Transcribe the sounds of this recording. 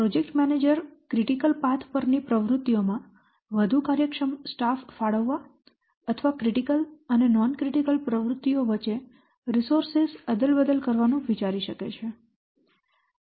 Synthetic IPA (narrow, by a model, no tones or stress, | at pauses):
pɾod͡ʒek̚ʈmɛned͡ʒəɾkɾiʈikəlpat̪ʰpəɾnipɾəʋɾʊt̪ːiomã | ʋəd̪ʱukaɾjəkʂəmsʈaffaɽəʋːa | ət̪ʰʋakɾiʈikələnenɔnkɾiʈikəlpɾəʋɾʊt̪ːioʋət͡ʃe | ɾisoɾsesəd̪əlbəd̪əlkəɾʋanũʋit͡ʃaɾiʃəkḛt͡ʃʰe